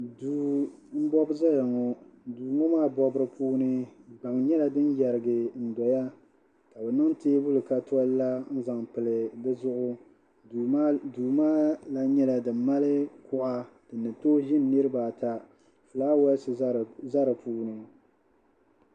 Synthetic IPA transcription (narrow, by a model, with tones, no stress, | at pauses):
du˨m̩˦bɔ˦bza˦ja˨ŋɔ˨duː˨mɔ˦maː˦˨bɔ˦bɨ˦ɾɨ˦puː˦nɨ˦ɡ͡ba˨ŋɲɛ˦la˨dɨ˦n˦jɛ˨ɾɨ˨ɡɨ˨n̩˨dɔ˨ja˦ | ka˨bɛ˨nɨ˦ŋteː˦bʊ˦lɨ˨ka˦tʰɔ˦lla˦n̩˦za˨ŋpɨ˨lɨ˨dɨ˦zʊ˦ʔʊ˦ | duː˨maː˦la˦ɲɛ˦la˨dɨ˨m˦mːa˦lɨ˦kʊ˦ʔa˦d̥ɨ˨nːɨ˨to˦ʒɪ˦nː˨ɨ˦ɾɨ˦baː˨ta˨ | fɨ˨laː˦wɛ˦lsɨ˨˦za˦ɾɨ˨puː˦nɨ˨